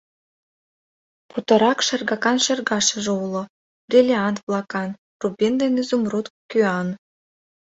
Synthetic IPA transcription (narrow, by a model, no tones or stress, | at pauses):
put̪ə̆ɾɑkʃərɣɑkɑnʃĕrɡɑʃə̆ʒĕulo | b̥rʲilʲiɑnt̪vlˠɑkɑn | rubind̪enyzumrut̪kyɑn